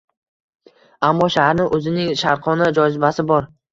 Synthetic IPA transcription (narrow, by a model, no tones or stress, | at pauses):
amːɒʃahaɾnɪʔɵzɪnɪŋʃaɾqʰɒnad͡ʒɒj̪ɪbasɪbɒɾ